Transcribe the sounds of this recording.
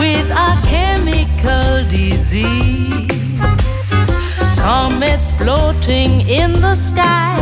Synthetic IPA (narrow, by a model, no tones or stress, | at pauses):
wɪðəkʰɛmɪkʰəlˠdɪzi | kʰɑmɛ̃ntsfloʊɾɪ̃ŋɪ̃nðəskaɪ